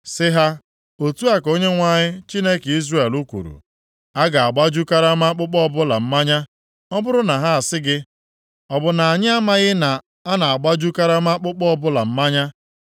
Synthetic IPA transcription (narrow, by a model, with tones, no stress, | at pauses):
sɪ˦ɦa˦ | o˨tu˦a˨ko˦ɲe˦ŋʷa˦ɲɪ˦t͡ʃi˦ne˦ke˨i˦zre˦˨e˨lu˦kʷṵ˨ɾṵ˨ | a˦ɡa˨a˨ɡ͡ba˦d͡ʒu˦ka˦ɾa˦ma˦k͡pʊ˦k͡pɔ˦ɔ˦bʊ˦la˨m̩˦ma˦ɲa˦ | ɔ˦bʊ˦ɾʊ˦na˨ɦa˦a˨sɪ˦ɡɪ˦ | ɔ˨bʊ˨na˨a˨ɲɪ˦a˦ma˦ɣɪ˦na˨ | a˦na˨a˨ɡ͡ba˦d͡ʒu˦ka˦ɾa˦ma˦k͡pʊ˦k͡pɔ˦ɔ˦bʊ˦la˨m̩˦ma˦ɲa˦